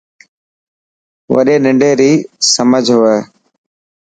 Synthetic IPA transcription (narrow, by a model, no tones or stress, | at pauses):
ʋə̰ɗeːnɪ̃ɳɖeːɾiːsəməd͡ʒʱɦʊʋeː